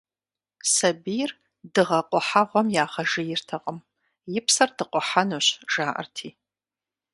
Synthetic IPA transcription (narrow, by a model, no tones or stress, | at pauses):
sɐbijr | dɨʁɐqʷʼɔħaʁʷɔmjaːʁɐʒɨjɪrtʰɐqʼəm | jɪpsɐrdɨqʷʼɔħanoɕʒ̥aːʔɐ̰rtʰiː